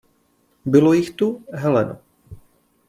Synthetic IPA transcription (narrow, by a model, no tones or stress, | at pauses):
bɪlojɪxt̪uɦɛlɛno̰